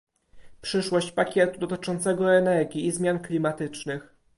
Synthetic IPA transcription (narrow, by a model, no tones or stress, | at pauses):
pʂɘʂwɔɕt͡ɕpakʲɛt̪ud̪ɔt̪ɘ̥t͡ʂɔnt̪sɛɡɔɛnɛɾɡʲjiːzmʲjanklʲimat̪ɘt͡ʂnɘx